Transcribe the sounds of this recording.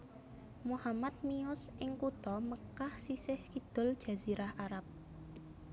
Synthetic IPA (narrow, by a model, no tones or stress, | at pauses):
muhamat̪̚miʊsʔɪŋkut̪ɔməkahsisɪhkid̪̥ʊ̤ld̥ʒ̥a̤z̥iɾʔahaɾap̚